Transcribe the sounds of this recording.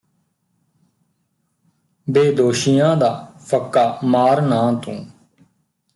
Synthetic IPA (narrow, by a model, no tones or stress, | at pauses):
beːd̪oːʃɪjãːd̪aːpʰəkːaːmaːɾnãːt̪õ̰ː